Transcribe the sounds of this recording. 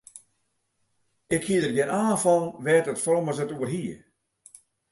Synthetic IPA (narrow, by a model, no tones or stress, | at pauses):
ɪkhiədərɡɪnaːnfɔnʋɛtətfroməzətuərɦiə